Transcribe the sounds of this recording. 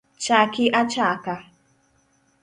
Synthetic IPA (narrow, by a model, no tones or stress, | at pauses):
t͡ʃakiʔat͡ʃaka